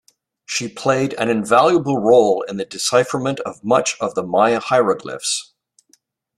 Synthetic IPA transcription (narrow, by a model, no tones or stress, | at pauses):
ʃipʰl̥eɪɾɨ̰̃nɨ̃ɱvælˠjəbl̩ˠɹoʊlˠɪ̰̃nðɨdɨsaɪfɹəmɨ̃ntʌvmʌt͡ʃʌvðəmaɪɨhaɪɹəɡlɪ̰fs